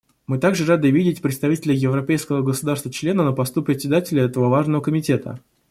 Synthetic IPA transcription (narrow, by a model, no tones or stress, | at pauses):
mɨt̪aɡʐɨɾad̪ɨvʲidʲɪtʲpɾʲɪt̪st̪ɐvʲitʲɪlʲɪjɪvɾɐpʲejskəvəɡəsʊd̪arst̪vət͡ɕlʲenənəpɐst̪upɾʲɪt̪ʲsʲɪd̪atʲɪlʲəɛt̪əvəvaʐnəvəkəmʲɪtʲe̞t̪ə̰